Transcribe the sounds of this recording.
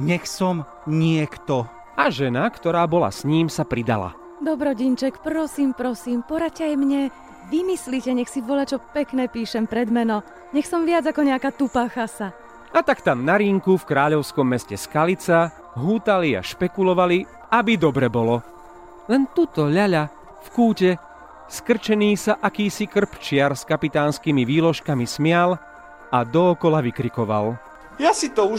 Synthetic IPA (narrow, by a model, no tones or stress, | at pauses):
ɲɛxsɔm | ɲɪɛkt̪ɔ | ʔaʒɛnakt̪ɔɾaːbɔla̰sɲiːmsapɾid̪a̰la̰ | d̪ɔbɾɔɟint͡ʃɛkpɾɔsiːmpɾɔsiːmpɔɾaccɛajmɲɛ | ʋimislicɛɲɛxsiʋɔlat͡ʃɔpɛknɛːpiːʃɛmpɾɛd̪mɛnɔ | ɲɛxsɔmʋɪad͡zakɔɲɛakaːt̪upaːxasa | at̪akt̪amnaɾiŋkufkɾaːʎɔʊskɔmːɛscɛskalit͡sa | ɦuːt̪alia̰ʃpɛkulɔʋali | abid̪ɔbɾɛbɔlɔ | lɛnt̪ut̪ɔʎaʎa | fkuːcɛ | skr̩t͡ʃɛniːsaʔakiːsikr̩pt͡ʃɪaɾskapit̪aːnskimiʋiːlɔʃkamismɪal | ad̪ɔːkɔlaʋikɾikɔʋa̰l | jasit̪ɔu